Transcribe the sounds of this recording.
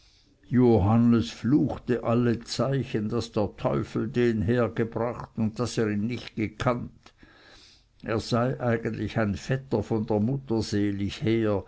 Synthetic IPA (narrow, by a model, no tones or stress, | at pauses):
joɦanəsfluːxtəʔalːət͡saɪçəndasd̥eːɐtʰɔʏfl̩deːnɦeːɐɡəbʁaχtʊnt̚d̥aseːʁiːnnɪçt̚ɡ̥əkʰant | ʔeːɐz̥aɪʔaɪɡəntlɪçaɪnfɛtɐfɔndeːɐmʊtɐzeːlɪçheːɐ